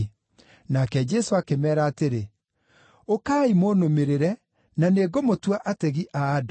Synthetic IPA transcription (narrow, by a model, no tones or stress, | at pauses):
nakɛd͡ʒɛsoakemɛːɾaːteɾe | okaːimonomeɾeɾɛ | naneːɡomotwaʔatɛɣiʔaːd